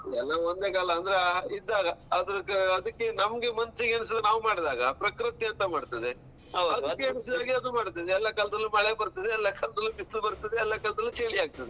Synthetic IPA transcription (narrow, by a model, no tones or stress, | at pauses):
ɛlːɐond̪eːkaːlɐːnd̪ɐɾeid̪ːaːɡɐɐd̪ɐɾukːɐd̪ɐkːe̞nɐmɡemɐnsiɡɐɳs̬id̪naːʋumaːɽd̪aːɡɐpɾɐkɾɨt̪jɐɐnt̪ɐmaːɖt̪ɐd̪e | ɐd̪ɐdkːeɐɳsid̪aːɡiɐd̪umaːɽt̪id̪eɛlːɐkɐːlɐd̪ɐlːumɐɭebɐɾt̪id̪eɛlːakɐlɐd̪ɐlːubisubɐɾt̪id̪eɛlːɐkɐlɐd̪ɐlːut͡ʃeɭiaːɡ̚t̪ɐd̪e